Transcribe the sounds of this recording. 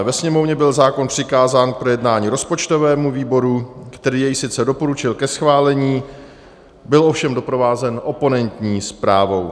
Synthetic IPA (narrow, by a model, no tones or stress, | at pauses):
vɛsɲɛmo̞vɲɛbɪlzaːko̞npr̥ɪkaːzaːnk̚pɾo̞jɛdnaːɲiːɾo̞spo̞t͡ʃt̪o̞vɛːmuviːbo̞ɾukt̪ɛɾiːjɛjsɪt̪t͡sɛdo̞po̞ɾut͡ʃɪlkɛsxvaːlɛɲiː | bɪlʔo̞fʃɛmdo̞pɾo̞vaːzɛnʔo̞po̞nɛnt̪ɲiːspɾaːvo̞w